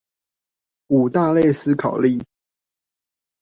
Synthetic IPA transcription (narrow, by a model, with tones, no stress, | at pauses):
u˨˩t̪a˥˧le˥˨ɪs̩˦kʰɑ˨˩ʊli˥˨